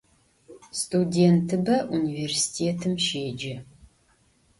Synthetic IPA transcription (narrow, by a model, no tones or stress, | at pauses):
stʰudeːntʰɨbɐʔuniveːrsi̥tʰeːtʰɨmʃeːd͡ʒɐ